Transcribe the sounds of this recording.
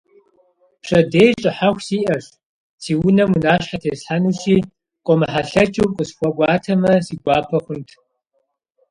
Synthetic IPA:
pʂɐdeːjt͡ʃʼɪħaxʷsiːʔɐʂ | siːwʊnɐmunaːɕħatʰeːsħanuɕiː | kʷʼɔmɐħaɬɐt͡ʃʼuwqʼəsxʷɔɡʷɑːtʰɐmɐsiːɡʷɑːpʰɐχʷʊntʰ

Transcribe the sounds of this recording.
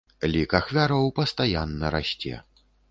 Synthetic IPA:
lʲikaxvʲaɾɐwpɐst̪ajanːɐɾaɕʲt͡sʲɛ̰

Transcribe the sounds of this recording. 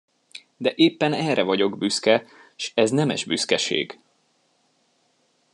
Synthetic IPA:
d̪ɛʔeːpːɛnɛrɛvɒɟo̞ɡbyskɛʃɛznɛmɛ̰ʒby̰skɛʃḛːɡ̥

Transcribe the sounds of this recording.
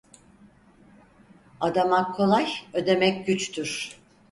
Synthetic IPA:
ad̪amakʰːo̞lˠajø̞d̪e̞mɛcɟyt͡ʃt̪ʰyɾ̥

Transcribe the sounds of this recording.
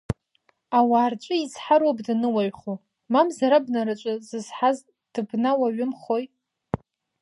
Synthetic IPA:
awaːrt͡ʃʷʼʊizħaɾwobdanɨwaɥχo | mamzaɾabnaɾat͡ʃʷʼazɨz̥ħaz | d̥ɨbnawaɥɪmχo̞j

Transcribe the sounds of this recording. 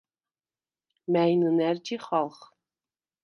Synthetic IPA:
mæjnɨnæɾd͡ʒiχɑlˠχ

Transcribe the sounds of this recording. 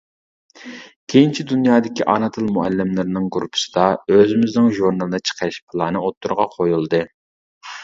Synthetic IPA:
kʲʰejint͡ʃʰid̪unjɑːd̪ɪkʲiʔɑnɑt̪ʰɨlˠmuælːɪmlˠɪɾɪnɨŋɡɾupʰɨ̥sɨ̥d̪ɑøzɪmɪznɪŋʒuɾnɑlˠɨd̪ɨt͡ʃʰə̥qʰəʃpʰɨlˠɑːnɨot̪ʰːuɾʁɑqʰojulˠd̪ɨ

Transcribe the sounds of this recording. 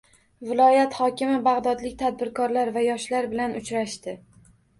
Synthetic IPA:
vɪlˠɒjat̪hɒkʲɪmɪbaʁd̪ɒd̪lɪkʲt̪ʰad̪̚bɪɾkʰɒɾlaɾvajɒʃlaɾbɪlanʊt͡ʃɾaʃt̪ɪ

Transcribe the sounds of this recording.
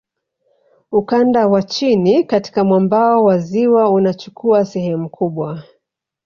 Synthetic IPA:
ukandawat͡ʃinikati̥kamwambaɔwaziwaunat͡ʃukʰuasɛhɛmukʰuɓwa

